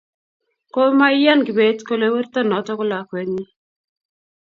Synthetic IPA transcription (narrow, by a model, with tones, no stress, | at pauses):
ko˦ma˦ja˦nɡɪ˨be˨tko˦˨lo˨˦we˦ɾtɔ˦nɔ˨tɔ˦kʊ˦la˨kwe˨ɲi˦